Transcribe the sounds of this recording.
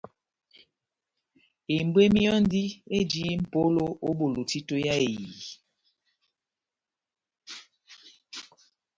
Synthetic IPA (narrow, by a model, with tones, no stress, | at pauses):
e˨m˦bwe˦mi˦jɔ˦n˦di˦e˦d͡ʒi˦m̩˨po˦lo˦o˦ɓo˨lo˨ti˦to˦ja˦e˨jiː˨